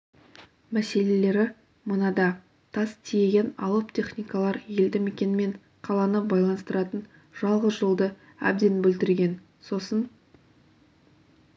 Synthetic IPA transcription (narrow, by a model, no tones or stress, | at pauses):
mæse̞le̞le̞ɾɪ | mənɑd̪ɑ | t̪ʰɑst̪ʰije̞ɡʲe̞nɑ̰lˠəpt̪ʲʰe̞χnʲijkɑlˠɑɾje̞ld̪ɪme̞kʲe̞nɪme̞ɴ | qʰɑlˠɑnəbɑjlˠɑnst̪əɾɑt̪ən | ʒ̥ɑlˠʁəsʒəlˠd̪ə | æ̰b̚d̪e̞nbɵlt̪ɪɾɡʲe̞n | so̞sən